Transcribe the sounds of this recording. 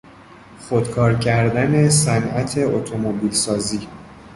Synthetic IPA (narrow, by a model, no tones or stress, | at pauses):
χo̞d̪̥kʰɒːɾcʰæɾd̪æne̞sænʔæt̪ʰe̞ot̪ʰo̞mobiːlsɒːziː